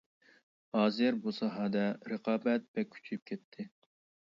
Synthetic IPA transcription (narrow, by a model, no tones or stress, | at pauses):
hɑːzɨɾbusɑɦɑd̪ɛɾəqʰɑːbɛt̪̚bɛkʲʰy̥t͡ʃʰyp̚kʲʰɛt̪ʰːɪ